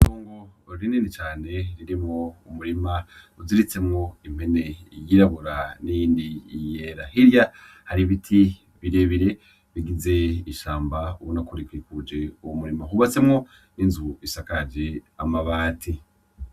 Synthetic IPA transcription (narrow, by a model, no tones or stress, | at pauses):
itoːŋɡoɾiniːnit͡ʃaːne̞ɾiɾimŋoumuɾima | uziɾit͡se̞mŋo̞im̥e̞ne̞jiɾaβoɾanijiːndijeɾahiɾja | haɾiβitʰi | βiɾe̞βiɾe̞ | βiɡize̞iʃaːmbauwonakuɾikwiːkud͡ʒe̞uwomuɾimaɦuβat͡se̞mŋo̞ | ninzuβuisakad͡ʒeamaβaːtʰi